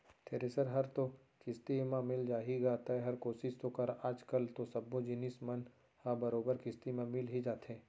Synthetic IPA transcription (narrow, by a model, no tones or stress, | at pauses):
t̪ʰeːɾesəɾɦɐɾt̪o | kɪst̪imãmɪld͡ʒaːɦiɡaːt̪aɦɛɦɐɾkoːsɪʃt̪okɐɾaːd͡ʒkəlt̪osɐbːod͡ʒɪnɪsmɐn | habɐɾoːbəɾkɪst̪imẽmɪlɦid͡ʒaːt̪ɦẽː